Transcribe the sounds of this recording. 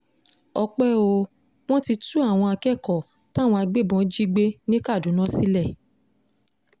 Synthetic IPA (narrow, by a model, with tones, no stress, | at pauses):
ɔ˧k͡pɛ˦o˧ | w̃ɔ̃˦ti˧tu˦a˦˨w̃ɔ̃˧a˧kɛ˦˨kɔ˨ta˦˨w̃ɔ̃˧a˧ɡ͡be˦˨bɔ̃˧˦d͡ʒi˦ɡ͡be˦nĩ˦ka˦˨du˨˦nã˦si˦lɛ˦˨